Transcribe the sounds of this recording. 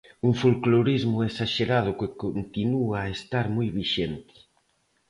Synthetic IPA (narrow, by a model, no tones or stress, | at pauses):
uŋfulkloɾizmʊesaʃeɾað̞ʊkɪkont̪inuaːest̪aɾmojβiʃent̪ɪ̥